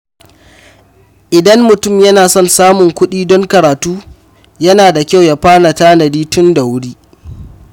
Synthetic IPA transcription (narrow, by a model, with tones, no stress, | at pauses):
ʔɪ˨dɐ˦mːʊ˨tʊ˦˨mjɐ˦naː˨sɔ˦˨nsaː˦mʊ˨ŋkʷʊ˦ɗiː˦dɔ˦ŋkɐ˨ɾaː˨tuː˦ | jɐ˦naː˨da˨kʲa˦wja˦ɸaː˦na˨taː˦nɐ˨diː˦tʊ˦nda˨wʊ˦ɽiː˦